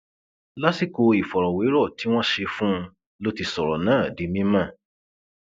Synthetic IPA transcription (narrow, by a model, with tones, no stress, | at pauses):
la˦si˦˨ko˧i˨fɔ˨ɾɔ˨we˨˦ɾɔ˦˨ti˨˦w̃ɔ̃˦ʃe˧fũ˦˧ | lo˦ti˧sɔ˨ɾɔ˨nãː˦˨di˨˦mĩ˦mã˦˨